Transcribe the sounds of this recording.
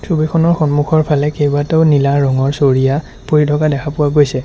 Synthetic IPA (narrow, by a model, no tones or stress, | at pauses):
subikʰɔnɔɹxɔnmuxʰɔɹpʰalɛkejbatɛʊnilaːɔŋɔɹsoɹija | poɹitʰɔkadɛkʰapʊwaɡojsɛ